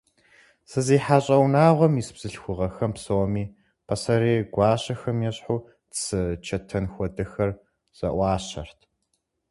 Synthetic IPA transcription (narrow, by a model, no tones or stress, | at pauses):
sɨziːħaɕʼɐwnaːʁʷɔmisbz̥ɨɬxʷʊʁɐxɐmpsoːmiː | pʰɐsɐɾeːɡʷɑːɕɐxɐmjɛɕʼħuː | tsɨt͡ʃʰɐtʰɐnxʷɔdɨxɐr | z̥ɐ̰ʔʷɑːɕɐ̰rtʰ